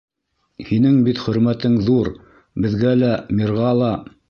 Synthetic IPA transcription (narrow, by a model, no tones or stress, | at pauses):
hinɘŋbit̪χɵ̆ɾmæt̪ɘŋðuɾ | bɘ̆ðɡælæmiɾʁɑlˠɑ